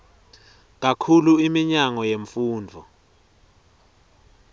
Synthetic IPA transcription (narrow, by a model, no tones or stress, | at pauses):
k̬akʰuluimiɲaŋɔjeɱfuːndʱɔ